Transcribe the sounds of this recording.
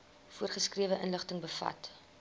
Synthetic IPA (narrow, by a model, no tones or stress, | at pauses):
fuərχəskriəvəʔənləχtəŋbəfɐ̰t